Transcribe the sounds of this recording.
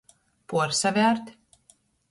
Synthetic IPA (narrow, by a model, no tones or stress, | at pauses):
puɔɾsavʲæːɾt̪ʲ